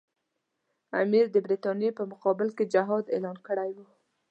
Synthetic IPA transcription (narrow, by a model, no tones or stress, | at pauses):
a̰miɾd̪əbɾit̪ɑnjepəmʊqɑbɪlked͡ʒaɦɑd̪ḛlɑnkəɽajwu